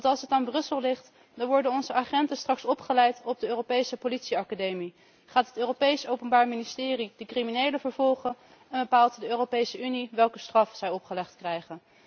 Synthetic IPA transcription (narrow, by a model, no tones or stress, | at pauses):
ɑntɑlˠsɦətaːnbrɵsəlˠlɪχt | dɑnʋɔɹdənɔnzəʔaχɛntəstrɑksɔpχəlɛjtɔb̚dəøːropejsəpolitsiɑkadejmi | χaːtɦətøːropejsowpənbaːɹministɪːridəkriminejləvəɹvɔlˠχə | ɛnbəpaːlˠtdəøːropejsəʔyniʋɛlˠkəstrɑfsɛjɔpχəlɛχtkrɛjχən